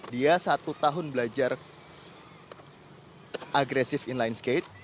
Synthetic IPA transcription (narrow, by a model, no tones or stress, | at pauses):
diasat̪ut̪aɦʊnbəlad͡ʒar | ʔaɡɾɛsɪfinlajnsket̪̚